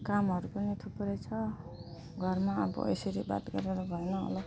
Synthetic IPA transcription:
kamɦʌɾupʌnit̪ʰupɾʌjt͡sʰʌ | ɡʱʌrmaʌ̰bʌ̰ʔḛsʌɾiba̰t̪ɡʌɾeɾʌbʱʌjnʌʌ̰lʌ

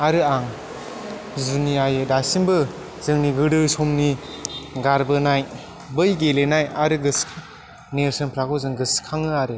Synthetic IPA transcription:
aɾɯaŋ | zuniajɯdasinbɯ | zɯŋniɡɯdɯsomni | ɡaɾbɯnaj | bɯjɡelenajaɾɯɡɯsʰ | neɾsɯnpʰɾaɡɔzɯŋɡɯskʰaŋɯaɾe

